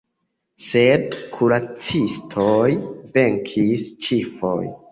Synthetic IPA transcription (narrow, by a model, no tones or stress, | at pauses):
se̞dkʰuɾat͡sistʰojve̞ŋkʰist͡ʃifo̰j